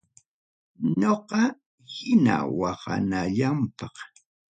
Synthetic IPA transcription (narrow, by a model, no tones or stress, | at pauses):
ɲoqɑ | hɪna̰wɑhɑ̰naʎampɑq